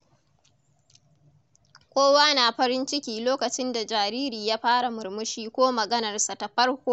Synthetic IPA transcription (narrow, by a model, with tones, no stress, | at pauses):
kʷoː˦waː˦naː˨ɸɐ˦ɾɪ˦nt͡ʃɪ˦kʲiː˨loː˦kɐ˨t͡ʃɪ˦nda˨d͡ʒaː˨ɾiː˦ɾiː˨jaː˦ɸaː˦ɽa˨mʊ˨ɾmʊ˦ʃiː˦kʷoː˦mɐ˨ɡɐ˦nɐ˨rsa˨ta˨ɸɐ˦rkʷoː˦